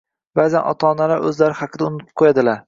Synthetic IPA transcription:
baːzanʔɒ̰t̪ʰɒːnalaɾʔɵ̰zlaɾɪhɑqʰɨd̪aʊnɪ̥p̚qʰojad̪ɪlaɾ

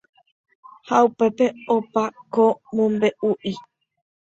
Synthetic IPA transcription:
haupe̞pe̞opakomũmbe̞ʔuʔi

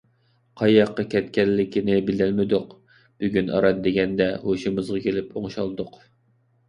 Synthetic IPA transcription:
qʰɑjɑqːɑkʲʰɛt̪kʲɛlːɪkʲinɪbɪlɪlmɪd̪ʊq | b̥yɡʲynɑ̰ɾɑd̪d̪eɡʲɛnd̪ɛhoʃimɨzʁɑkʲʰelɪpoŋʃɑlˠd̪ʊq

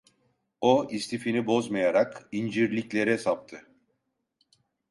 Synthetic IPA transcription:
oist̪ʰifinibo̞zmajaɾakind͡ʒiɾlʲiclʲe̞ɾɛsap̚t̪ʰɯ

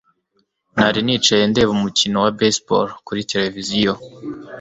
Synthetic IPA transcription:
naɾiniːt͡ʃajende̞βumucino̞wabespo̰ɾkuɾite̞le̞vizijo

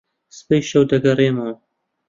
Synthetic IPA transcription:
sɨ̥pejʃɐwd̪ɐɡɐreːmɐw

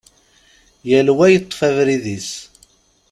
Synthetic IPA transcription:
jælwæjət̪ˤːfævɾiðis

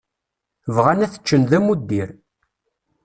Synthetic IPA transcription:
vʁænæθə̥t͡ʃːənðæmud̪ːiɾ

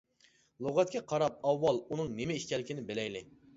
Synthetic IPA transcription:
lˠoʁɛt̪̚kʲʰɛqʰɑɾɑp̚ɑwːɑlˠunɨŋnɪmɪiʃkʲɛlːɪkʲinɪbelɛjlɪ

